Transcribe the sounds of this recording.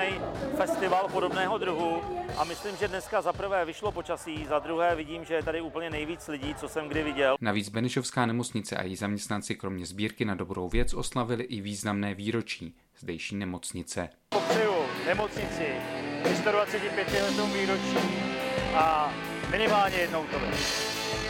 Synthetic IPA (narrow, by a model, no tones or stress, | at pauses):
ɛjfɛst̪ɪvalpo̞do̞bnɛːɦo̞d̪ɾuɦuʔamɪslimʒɛdnɛskazapr̩vɛːvɪʃlo̞pot͡ʃasiːzad̪ɾuɦɛːvɪɟiːmʒɛjɛt̪adɪuːpl̩ɲɛnɛjviːt͡slɪɟiːt͡so̞sɛmɡdɪvɪɟɛlnaviːd͡zbɛnɛʃo̞fskaːnɛmo̞t͡sɲɪt͡sɛ̰ʔa̰jɛjzamɲɛst̪nant͡sɪkɾo̞mɲɛzbiːɾkɪnado̞bɾo̞wvjɛt͡sʔo̞slavɪlɪʔɪviːznamnɛːviːɾo̞t͡ʃiː | z̥dɛjʃiːnɛmo̞t͡sɲɪt͡sɛ | poprɛjunɛmo̞t͡sɲɪt͡sɪjɪst̪odvat͡sɛcɪpjɛt̪ɪɦɛd̪owviːɾo̞t͡ʃiːʔa | mɪnɪmaːlɲɛjɛdnowt̪ovɛ